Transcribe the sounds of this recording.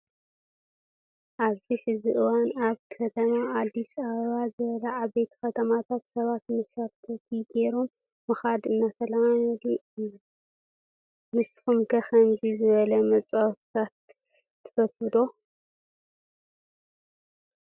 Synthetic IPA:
ʔaβziħɨziʔɨwanaβkʰɐt̪ʰɐmaad̪ːisaβɐβazɨβɐlɐʕaβbe̞t̪kɐt̪ʰɐmat̪ʰat̪sɐβat̪mɨfɐɾt̪ʰɐt̪ʰiɡeɾomː | ɨxad̪ɨnːat̪ʰɐlaali | mɨsxumkʰɐxɐnzizɨβɐlɐmɐt͡sʼawt̪ʰt̪ʰat̪ʰː | ɨ̥fɐfɨd̪o̞

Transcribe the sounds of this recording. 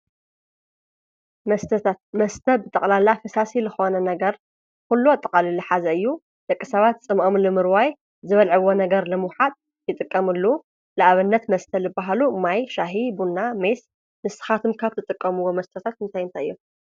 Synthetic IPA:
mɐst̪ʰɐt̪ʰat̪mɐst̪ʰɐbɨt̪ʼɐkʼlalafɨsasilɨxo̞nɐnɐɡɐɾ | kulːot̪ʼːɐqʼalilɨħazɐɨjːu | d̪̥ɐkʼːɨsɐβat̪̚t͡sʼɨmʔɐmlɨmɨɾwaj | zɨβɐlʕɨwo̞nɐɡɐɾlɨmwħat̪ʼ | jɨt̪ʼɨkʼːɐmɨlːu | lɨʔaβɨnːɐt̪mɐst̪ʰɐlɨbːaɦalumajʃaɦibunːames | mɨsɨ̥xat̪ʰɨmkʰaβt̪ʰɨt̪ʼɨkʼːɐmɨwːomɐst̪ʰɐt̪ʰat̪ɨnt̪ʰajɨnt̪ʰajɨjːu

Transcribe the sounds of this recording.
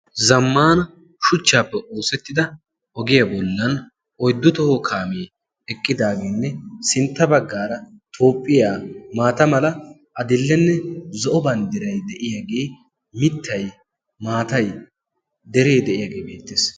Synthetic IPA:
zɐmːaːnɐ | ʃʊt͡ʃːaːpːɛʔoːsɛt̪ːɪd̪ɐ | ʔɔɡɪjabɔlːɐn | ʔɔjd̪ːʊt̪ɔhɔkʰaːmeː | ɛkʼːɪd̪aːɡeːnːɛsɪnt̪ːɐbɐɡːaːɾɐt̪ʰo̞ːpʼːɪjaːmaːt̪ɐmɐlɐ | ʔɐd̪ɪlːɛnːɛzɔʔɔbɐnd̪ɪɾɐjd̪ɛʔɪjaːɡeː | mɪt̪ʰːɐj | maːt̪ɐj | d̪ɛɾe̞ːd̪ɛʔɪjaːɡe̞ːbe̞ːt̪ːeːs

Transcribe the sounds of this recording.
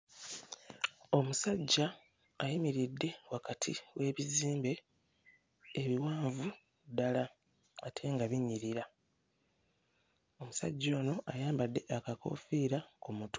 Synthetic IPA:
o̞musaɟːaː | jimiɾidːe̞wakatʰiwe̞ːβiziːmbe̞ | βiwaːɱvu | dalaː | tʰe̞ːŋɡaβiɲːiɾiɾa | o̞musa̰ɟːo̞ːno̞ʔajaːmbadːe̞ʔakako̞̰fiɾakumuto̥

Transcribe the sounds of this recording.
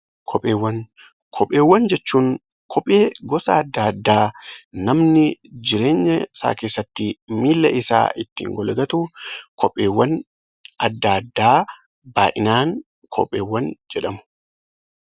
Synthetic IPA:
kʰɔpʼeːwːɐn | kʰɔpʼːe̞ːwːɐnd͡ʒɛt͡ʃːuːŋ | kʰɔpʼːeːɡɔsɐːd̪ːad̪ːaːnɐmnɪd͡ʒɪɾe̞ːɲːɐsa̰ːke̞ːsːɐt̪ːɪmiːlːɐʔɪsa̰ːɪt̪ːḭːŋɡɔlɐɡɐt̪ukɔpʼːe̞ːwːɐn | ɐd̪ːaɐd̪ːaː | baːʔɪnaːŋ | kʰɔ̰pʼːeːwːɐnd͡ʒɛᶑɐmʊ̥

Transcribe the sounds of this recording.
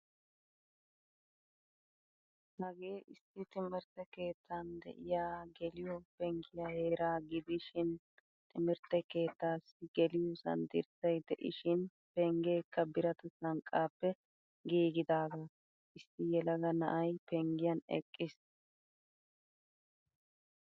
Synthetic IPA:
hɐɡe̞ːʔɪsːɪt̪ɪmɪɾt̪ɛke̞ːt̪ʰːand̪ɛ̰ʔɪjaːɡɛlɪjopɛŋɡɪjaːheːɾaːɡɪd̪ɪʃɪn | t̪ʼɪmɪɾt̪ɛke̞ːt̪ːaːsɪɡɛlɪjosɐ̰nd̪ɪ̰ɾsɐjd̪ɛʔɪ̰ʃɪn | pɛŋɡe̞ːkːɐbɪɾɐt̪ɐsɐŋkʼːaːpːɛ | ɡiːɡɪd̪aːɡa | ʔɪsːɪjɛlɐɡɐnɐ̰ʔɐjpɛŋɡɪjɐnɛ̰kʼːɪs

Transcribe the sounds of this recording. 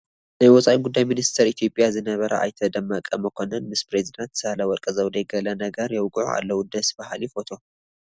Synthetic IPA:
najwɔt͡sʼaʔiɡud̪ːajminist̪ʰɐɾit̪ʰijo̞pʼjazɨnɐβɐɾʔɐ̰ʔa̰jt̪ʰɐd̪ɐmːakʼːɐmɐkʰo̞nɐnmɨspɾezid̪ant̪salawɔɾkʼɐzɐwd̪ɐjɡɐlɐnɐɡɐɾjɛwɡʼʕṵa̰lːɐwud̪ɐsbahlifo̞t̪ʰo̞

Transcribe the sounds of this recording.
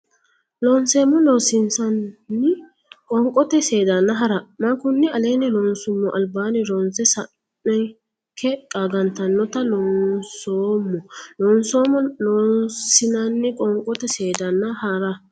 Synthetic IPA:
lɔnseːmːɔnoːsɪnsɐnːɪ | kʼɔŋkʼɔt̪ɛseːd̪ɐnːɐɦɐɾɐmɐkʊnːɪɐleːnɛlɔːnsʊmːɔʔɐlbaːnɪɾɔnsɛsɐ | nːɛ | kʰɛkʼaːɡɐnt̪ɐnːɔt̪ɐnɔnsoːmːɔnɔːnsoːmɔnoːsɪnɐnːɪkʼɔŋkʼɔt̪ɛseːd̪ɐnːɐhɐɾɐ

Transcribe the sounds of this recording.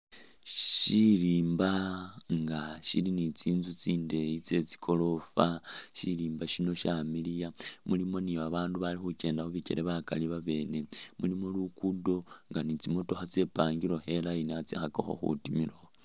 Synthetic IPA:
ʃiɾiːmbaŋɡaʃḭlinit͡siːnzut͡siːnde̞jit͡se̞t͡si̥kʰo̞lo̞faʃiliːmbaʃino̞ʃamilijamulimo̞niaβaːnduβalixuce̞ːndaxoβice̞ɾʔeβakaliβaβe̞ːne̞mulimolukudo̞ŋɡanit͡simo̞to̞xat͡se̞paːŋɡiɾo̞xe̞lajiniat͡sḭxako̰xo̰xṵtimiɾo̞

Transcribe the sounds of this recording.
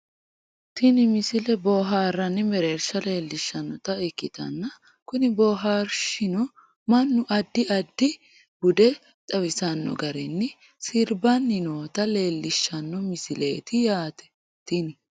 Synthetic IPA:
t̪ɪnɪmɪsɪlɛbɔːɦaːrɐnːɪmɛɾɛɾʃɐle̞ːlːɪʃːɐnːɔt̪ɐɛkːɪt̪ɐ̰nːɐ | kʊnɪboːɦaːɾʃɪnɔ | mɐnːʊʔɐd̪ːɪʔɐd̪ːɪ | bʊd̪ɛ | t̪ʼɐwɪsɐnːɔ̰ɡɐɾɛnːɪ | sɪɾbɐnːɪnoːt̪ɐle̞ːlːɪʃːɐnːɔmɪsɪlḛːt̪ɪjaːt̪ɛ̥ | t̪ɪnɪ

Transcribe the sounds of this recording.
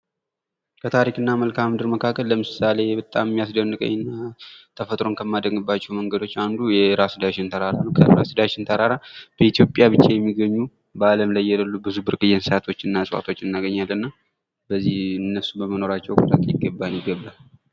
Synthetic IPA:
kʰət̪ʰaɾikɨnːaməlkʰamd̪ɨɾməkʰakːəlːəmɨsale̞bət̪ʼammːijas̬d̪ənːɨkʼə̰ɲːnːat̪ʰəfət̪ʼɾo̞nkʰəmːad̪əŋɡɨbːat͡ʃːɛwməŋɡəd̪o̞t͡ʃːand̪ujɛɾasɨd̪aʃɪnt̪ʰəɾaɾanəwkʰəɾasɨd̪aʃɪnt̪ʰəɾaɾab̥əit̪jo̞pʼjabɨt͡ʃːajɛmːiɡəɲːu | baləmlajːaləlːubɨzubɨɾkʼɨjːɛnsat̪ʰo̞t͡ʃːɨnːasʼa̰t̪ʰo̞t͡ʃːɨnːaɡəɲːalːɨnːa | bəzːihɨnːəsubəməno̞ɾat͡ʃːɛwkʰud̪akʼjɪɡːəbːanjɪɡəbːa

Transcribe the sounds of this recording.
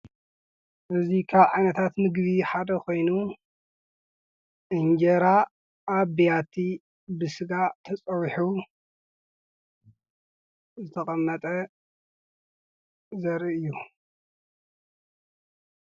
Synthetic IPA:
ʔɨzikʰaβʕajnɐt̪ʰat̪mɨɡβiħad̪ɐkʰo̞jnu | ʔɨɲd͡ʒɐɾa | ʔaβbijat̪ʰi | bɨsɨɡat̪ʰɐt͡sʼɐwħu | zɨt̪ʰɐkʼɐmːɐt̪ʼɐ | zɐɾiɨjːu

